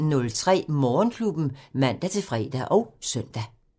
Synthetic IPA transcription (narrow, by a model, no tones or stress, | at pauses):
nɔ̽lt͡sʰʁɛ̰ːmɒːnkʰlub̥n̩mæn̰d̥æt͡sʰe̝fʁɛ̰ːd̥æʔɒʊsœn̰d̥æ